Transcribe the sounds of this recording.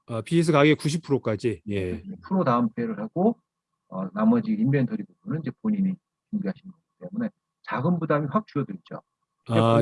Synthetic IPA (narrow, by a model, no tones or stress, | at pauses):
apies̬ʰɯkaɡekuɕ̬ipʰuɾok͈ad͡ʑijeepʰuɾotaɯmpʰe̞ɾɯɭɦaɡo | ʌnamʌd͡ʑiːnbentʰʌɾibobunɯnid͡ʑe̞poɲini | t͡ɕuŋɡiɦaɕʰinɯnɡʌɡit͈e̞mune̞ | t͡ɕaɡɯnbudamiɸwak̚t͡ɕ͈ujʌdɯɭt͡ɕo̰ | ae